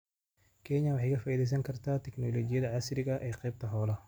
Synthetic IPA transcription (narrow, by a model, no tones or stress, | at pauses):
kʰɛɲɐwɑħɑjkʰɐfaːiːðɛjs̬ɐŋkʰɐrt̪ʰaːt̪ʰɛknɔlɔːd͡ʒɪjɐðɐʕɑsɾɪɣɐʔɛːqɛjb̚t̪ʰɐɦɔːlɐ